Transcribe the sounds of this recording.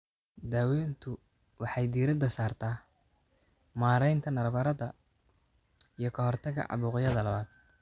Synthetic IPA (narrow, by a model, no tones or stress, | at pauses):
d̪aːwɛːnt̪ʰʊ | wɑħɑjd̪iːɾɪd̪ɐsaːrt̪ʰaː | maːɾɛjnt̪ʰɐnɐrbɐɾɐðɐ | ijɞkʰɐɦɔrt̪ʰɐɣɐ̰ʕɑ̰βuːqɪjɐðɐlɐβaːd̪̥